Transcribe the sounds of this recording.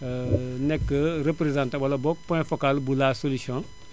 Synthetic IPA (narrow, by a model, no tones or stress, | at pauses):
nɛkːəɾəpɾezãntabɔlɐbɔk̚pɔ̃ɛ̃fokalbulasolisiɔ̃